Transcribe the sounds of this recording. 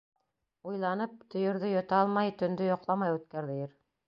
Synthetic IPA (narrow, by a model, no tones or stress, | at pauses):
ujlˠɑnɤp̚t̪ʰɵ̆jɤ̆ɾðɵjŏt̪ɑlˠmɑjt̪ɵ̆nd̪ɵjoqlˠɑmɑjʉt̪̚kæɾðɘ̆jɘɾ